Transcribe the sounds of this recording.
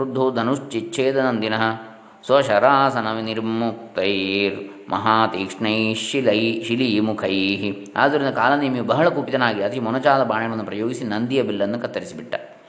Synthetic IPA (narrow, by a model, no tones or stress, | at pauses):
ɾud̪ʱːoːd̪ʱɐnuʂt͡ʃit͡ʃʰeːd̪ɐnɐnd̪inɐɦɐ | sʋɐʃɐɾaːsɐnɐʋiniɾmuk̚t̪ɐjɾ | mʔɐ̰ɦaːt̪iːkʂɳɐjʃilɐjʃiliːmukʰɐjɦi | a̰ːd̪ʱɐɾind̪ɐkaːlɐnːɐimijubɐɦɐɭɐkuːpit̪ɐnaːɡiɐt̪iimɔnɐt͡ʃaːlɐbaːɳɐɐɽɐnːupɾɐjoːɡisinɐnd̪ijɐbilːɐnːukɐt̪ːɐɾisibiʈːɐ